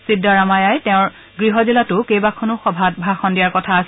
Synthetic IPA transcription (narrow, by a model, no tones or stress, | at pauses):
sidːaɹamajajtɛʊ̃ɹ | ɡɹiɦɔzilatʊkejbakʰɔnʊxɔbʱat̚bʱɹaxɔndijaɹkɔtʰaːs